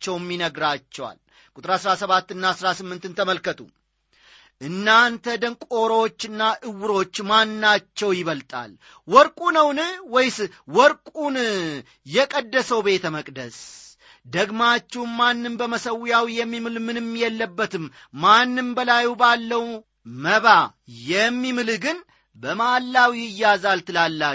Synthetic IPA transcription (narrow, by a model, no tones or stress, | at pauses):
t͡ʃːɛwmːinəɡɾat͡ʃːɛwa̰l | kʼut̪ʼɨɾasɾasəβat̪ːɨnːasɾasɨmːɨnt̪ɨnt̪ʰəməlkət̪ʰʼu | ʔɨnːant̪ʰəd̪əŋkʷʼo̞ɾot͡ʃːɨnːaʔɨwːɨɾo̞t͡ʃːmanːat͡ʃːɛwjɪβəlt̪ʼa̰l | wɔɾkʼunəwnwɔjsɨ | wɔɾkʼun | jɛkʼəd̪ːəsəwbe̞t̪ʰəməkʼd̪əs | d̪əɡmat͡ʃːɛwmmanːɨmbəməsəwjawjɛmːimɨlmɨnɨmːjɛlːəbːət̪ɨmː | anːɨmbəlajubalːəw | məβa | jɛmːimɨlɡɨn | bəmalːawijɨjazalt̪ɨlalːa